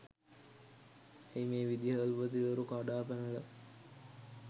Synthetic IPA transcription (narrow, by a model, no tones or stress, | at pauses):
ejmeːʋid̪jaəlupət̪iʋeɾukaɖaːpænulɐ